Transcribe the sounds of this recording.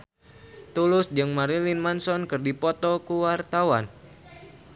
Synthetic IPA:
t̪ulʊsd͡ʒɨŋmaɾilinmansɔnkɨrdipɔt̪ɔkuwart̪awan

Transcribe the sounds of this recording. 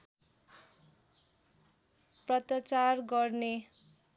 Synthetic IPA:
prʌt̪ʌt͡sarɡʌrne

